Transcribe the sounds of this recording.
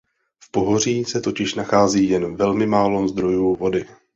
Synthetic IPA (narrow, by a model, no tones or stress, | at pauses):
fpo̞ɦo̞r̝iːsɛt̪o̞cɪʃnaxaːziːjɛnvɛlmɪmaːlozd̪ɾo̞juːvo̞dɪ